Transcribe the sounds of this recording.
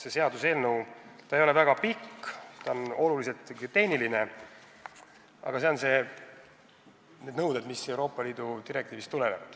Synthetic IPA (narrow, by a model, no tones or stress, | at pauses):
se̞se̞ɑd̪use̞ːlnɤwt̪ɑejolevæɡ̥ɑpikːt̪ɑono̞lulis̬e̞lt̪ːˑɡt̪e̞hniline | ɑ̰ɡ̥ɑse̞onse̞ | ned̪nɤwd̪ed̪misewɾo̞ːpːˑɑliːd̪̥ut̪iɾek̚t̪iːvist̪ːulenevɑd̪̥